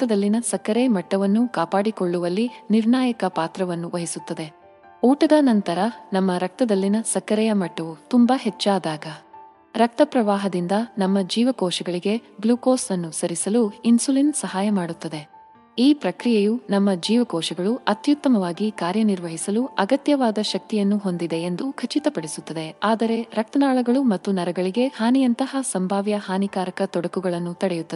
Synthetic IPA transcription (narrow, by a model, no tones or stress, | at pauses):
t̪ɐd̪ɐlːinɐsɐkɐɾɛjmɐʈːɐʋɐnːukaːpaːɽikoɭːuʋɐlːiniɾɳaːjɐkɐpaːt̪ɾɐʋɐnːuʋʔɐɦisut̪ːɐd̪e̞ | uːʈɐd̪ɐnɐnt̪ɐɾɐnɐmːɐɾɐk̚t̪ɐd̪ɐlːinɐsɐkɐɾɛjɐmɐʈːɐʋut̪umbaɦɛt͡ʃːaːd̪aːɡɐ | ɾɐk̚t̪ɐpɾɐʋaːɦɐd̪ind̪ɐnɐmːɐd͡ʒiːʋɐkɔːʃɛɡɐɭiɡe̞bluːkoːsɐnːusɐɾisɐluinsulinsɐɦaːjɐmaːɽut̪ːɐd̪e̞ | iːpɾɐkɾijejunɐmːɐd͡ʒiːʋɐkɔːʃɛɡɐɭuɐt̪jut̪ːɐmɐʋaːɡikaːɾjɐniɾʋɐɦisɐluɐɡɐt̪jɐʋaːd̪ɐʃɐk̚t̪ijɐnːuɦo̞nd̪id̪e̞ːnd̪ukʰɐt͡ʃit̪ɐpɐɽesut̪ːɐd̪e̞aːd̪ɐɾe̞ɾɐk̚t̪ɐnaːɭɐɡɐɭumɐt̪ːunɐɾɐɡɐɭiɡe̞haːnijɐnt̪ɐɦɐsɐmbʱaːʋjɐhaːnikaːɾɐkɐt̪ɔɽɐkuɡɐɭɐnːut̪ɐɽɛjut̪ːɐ